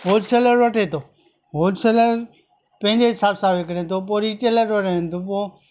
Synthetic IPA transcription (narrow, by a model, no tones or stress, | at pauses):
ɦoːlseːləɾʋəʈʰeːt̪ʰoː | ɦoːlseːləɾ | pə̃ɦɪ̃ɲd͡ʑeɦɪsaːbsãːbekɽẽːt̪ʰoːp̬oːɾiːʈeləɾʋəʈeːnt̪oːp̬oː